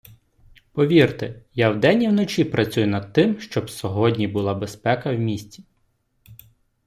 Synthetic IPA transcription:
pɔʋʲirt̪ɪjawd̪ɛnʲiwnɔt͡ʃʲipɾɐt͡sʲujʊnɐd̪̚t̪ɪmʃt͡ʃɔbsɔɦɔdʲnʲibʊlˠɑbespɛkɐwmʲisʲt͡sʲi̥

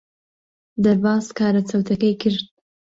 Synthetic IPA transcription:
d̪aɾbɑːzkɑːɾat͡sawt̪akajkəɾd̪̚

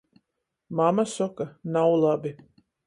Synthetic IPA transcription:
mamasɔkanawlˠabi

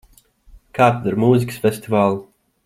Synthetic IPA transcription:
kaːt̪d̪uɾmuːzikə̥sfʲesʲt̪ivaːlˠu

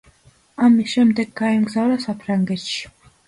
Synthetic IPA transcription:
amisʃɛmd̪ɛɡːaɛmɡzavɾasapʰɾaŋɡɛt̪ʃi̥

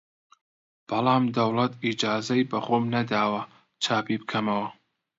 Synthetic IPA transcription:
b̥ɐlˠɑːmd̪ɐwlɐt̪ʰid͡ʒaːzɐjbɐχoːmnɐd̪aːwɐ | t͡ʃʰaːpibɨkʰɐmɐwɐ

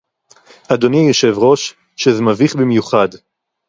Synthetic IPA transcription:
ad̪o̞nijoʃe̞vʁo̞ʃ | ʃezmaviχbimjuχad

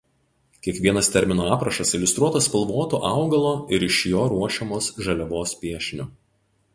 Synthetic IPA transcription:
kʲiɛkʋʲiɛɐst̪ʲɛɾʲmʲɪnoːɑːpɾɐʃɐsɪlʲʊst̪ɾuɔt̪ɐspɐlˠʋoːt̪oːʔɑˑʊɡɐlˠoːɪɾɪʃʲjoːɾuɔʃʲɛmoːsʒɐlʲɛʋoːspʲiɛʃʲnʲʊ

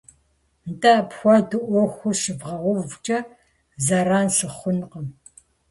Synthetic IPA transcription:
ntʼapxʷadɨʔʷɔxʷʊʂɨvʁɐʁʷʊvt͡ʃʼɐ | zɐɾaːnɬɨχʷʊnqəm

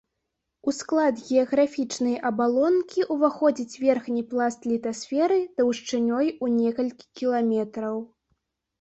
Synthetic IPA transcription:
usklˠad̪ɣʲɛɐɣɾafʲit͡ʂnɐjʔɐbalˠɔnkʲiʔuvaxɔd͡zʲit͡sʲvʲɛrxnʲiplˠast̪lʲit̪asʲfʲɛɾɨd̪̥ɐwʂt͡ʂɨnʲɔjunʲɛkɐlʲkʲi̥kʲilˠamʲɛt̪ɾɐw

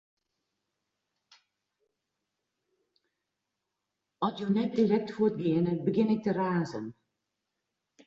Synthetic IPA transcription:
ɔsjonɛt̚dilɛk̚tfʊətɡɪənəbəɡɪnɪk̚təraːzən

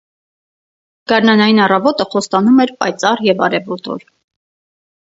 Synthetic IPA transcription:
ɡ̥ɑɾnɑnɑjinɑrɑvɔt̪əχɔst̪ɑnumɛɾpɑ̰jt͡sɑrjɛvɑ̰ɾɛvɔt̪ɔ̰l

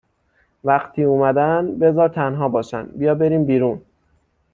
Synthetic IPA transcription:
væqt̪ʰiːumæd̪ænbe̞zɒːɾt̪ʰænɦɒːbɒːʃæ̰nd̪bijɒːbe̞ɾiːmbiːɾuːn

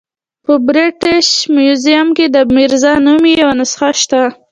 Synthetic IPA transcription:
pəbɾɪʈɪʃmjuzijamked̪əmiɾzɑnumijawanasxaʃt̪a

